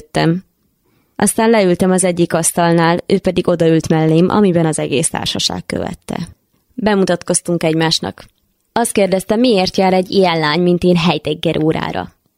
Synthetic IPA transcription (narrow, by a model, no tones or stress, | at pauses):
t̪ːɛm | ʔɒst̪aːnlɛylt̪ɛmɒzɛɟːikɒst̪ɒlnaːløːpɛd̪iɡo̞d̪ɒylt̪mɛlːeːmʔɒ̰mibɛnɒzɛɡḛːst̪a̰ːrʃɒʃa̰ːkːø̰vɛ̰t̪ːɛ̰ | bɛmut̪ɒt̪ko̞st̪uŋkɛɟmaːʃnɒ̰k | ɒst̪̚keːrd̪ɛst̪ɛmieːrt̪jaːɾɛɟːijɛnlaːɲmint̪eːnɦɛjt̪ɛɡːɛɾʔoːɾa̰ːɾɒ̰